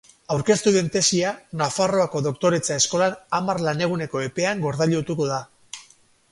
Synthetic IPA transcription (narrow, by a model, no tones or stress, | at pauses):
awɾke̞st̪uðe̞nt̪e̞sianafaro̞ako̞ðo̞kt̪o̞ɾet͡sae̞sko̞lanamarlane̞ɣ̞une̞ko̞e̞pe̞aŋɡo̞ɾðaʎot̪uko̞ða